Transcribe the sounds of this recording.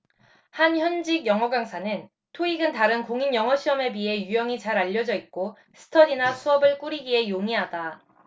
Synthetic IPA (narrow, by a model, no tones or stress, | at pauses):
hançjʌnd͡ʑiɡjʌŋɦʌɡaŋsʰanɯn | tʰoiɡɯntaɾɯnkoŋinjʌŋʌɕʰiʌme̞biɦe̞jujʌŋit͡ɕaɾaʎːʌd͡ʑʌik̚k͈o | sʰɯ̥tʰʌdinasʰuʌbɯɭk͈uɾiɡie̞joŋiɦada